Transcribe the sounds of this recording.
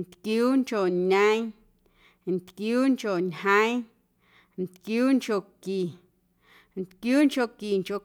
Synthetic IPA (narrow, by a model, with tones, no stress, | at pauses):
nt̪kjuː˦ŋt͡ʃo˨ɲaə̃˦j̃ | nt̪kjuː˦ŋt͡ʃo˨ɲhə̃˦j̃ | nt̪kjuː˦ŋt͡ʃo˨ki˨ | nt̪kjuː˦ŋt͡ʃo˧˨ki˨ŋko˨